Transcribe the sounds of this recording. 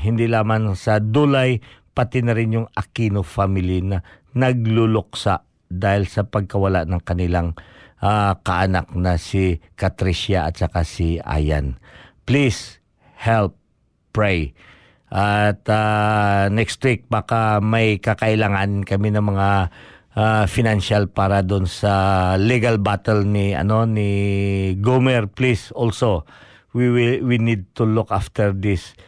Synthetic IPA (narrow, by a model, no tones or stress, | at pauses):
ɦɪnd̪ilaːmansɐd̪ulajpɐt̪ɪnɐɾɪnjʊŋakinofamɪlinɐ | nɐɡ̚lʊlʊk̚saʔ | d̪aːhɪlsɐpɐɡ̚kɐwɐlaʔnɐŋkɐnɪlaŋʔakɐʔana̰k̚nɐsikɐt̪ɾiʃaʔɐ̰t̪̚sɐkasiʔa̰ja̰nplis | hɛlp̚ː | ɹɛj | ʔat̪anɛkst̪wik̚bakamɐjkɐkɐʔɪlaŋankɐminɐmɐŋa | afɪnanʃalpaːɾɐd̪ʊnsɐliɡalbat̪ɛlnɪɐ̰no̞nɪ | ɡomɛɹplisolso | wiwɪwinid̪̚t̪ulʊkaft̪ɛɹd̪ɪs